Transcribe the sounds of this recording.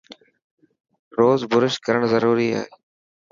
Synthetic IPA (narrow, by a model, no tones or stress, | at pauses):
ɾoːzbʊɾɪʃkəɾəɳzəɾuːɾiːa̰ːɦeː